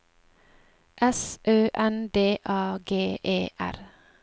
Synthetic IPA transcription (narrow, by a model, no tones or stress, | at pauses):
ʔɛsʔøːʔɛnd̪eːʔɑːɡeːʔeːʔæ̰ɾ